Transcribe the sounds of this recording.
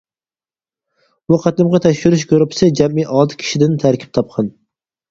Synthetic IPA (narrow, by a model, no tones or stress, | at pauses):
buqʰɑt̪lɪmʁɑt̪ʰæʃʃuɾɪʃ̬ɡøɾʊpʰɪ̥sɪd͡ʒɛmːiʔɑd̪ɨ̥kʲʰi̥ʃɪd̪ɪnt̪ʰæɾkʲʰi̥p̚t̪ʰɑp̚qʰɑn